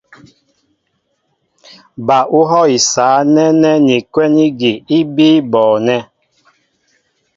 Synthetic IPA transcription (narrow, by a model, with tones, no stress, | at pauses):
ba˨ʔu˦ɦɔ˦i˨saː˨˦nɛ˦nɛ˦ni˨kwɛ˦ni˦ɡi˨i˦biː˦bɔː˨nɛ˦